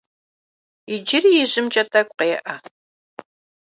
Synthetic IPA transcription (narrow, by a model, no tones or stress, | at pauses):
ɪd͡ʒɪrijɪʑɪmt͡ʃʼɐtʰɐkʷʼqeːʔɐ